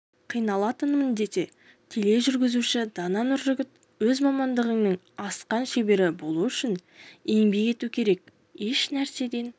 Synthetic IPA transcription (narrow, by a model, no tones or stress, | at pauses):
qʰijnɑlˠɑt̪ənmənd̪e̞t̪e̞ | t̪ʲʰele̞ʒʏɾɡʲɪzuʃɪd̪ɑnɑnʊɾʒʏɡʲɪt̪ | wɵzmɑmɑnd̪əʁəŋnəɴ | ɑsqɑnʃe̞be̞ɾɪbo̞lˠuʏʃɪne̞ŋbe̞ɡe̞t̪ukʲʰe̞ɾe̞k̚ | e̞ʃnæɾse̞d̪e̞n